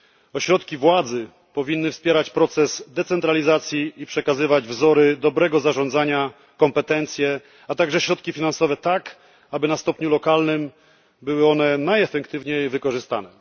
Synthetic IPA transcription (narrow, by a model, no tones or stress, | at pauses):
ɔɕɾɔt̪kʲivwad̪zɘ | pɔvʲinːɘfspʲjɛɾat͡ɕpɾɔt̪sɛzd̪ɛt̪sɛnt̪ɾalʲizat̪sʲjiːpʂɛkazɘvad͡ʑvzɔɾɘd̪ɔbɾɛɡɔzaʐɔnd̪zaɲa | kɔmpɛt̪ɛnt̪sʲjɛ | at̪aɡʐɛɕɾɔt̪kʲifʲinansɔvɛt̪ak | abɘnast̪ɔpɲulɔkalnɘm | bɘwɘɔnɛnajɛfɛkt̪ɘvɲejvɘkɔʐɘst̪a̰nɛ